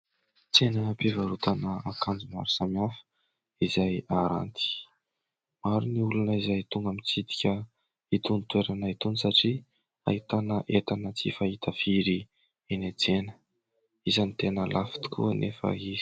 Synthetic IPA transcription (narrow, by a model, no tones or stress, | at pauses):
t͡senəpivaɾut̪anəakand͡zuma̰ɾusamanfə̥ | izajaɾa̰nt̪i̥ | maɾuniulunəizajt̪uŋɡamit͡sit̪i̥kʲə | it̪unit̪weɾanait̪unisaʈ͡ʂi | a̰ɦit̪anəʔet̪anət͡sifahit̪əfiɾi | enet͡senə̥ | izanit̪enəlʔafi̥t̪u̥kʰṵənʔefə̰ɦizi̥